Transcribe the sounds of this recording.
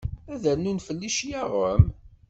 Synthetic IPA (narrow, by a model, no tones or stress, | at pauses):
æðænunfəlːiʃjaʁəm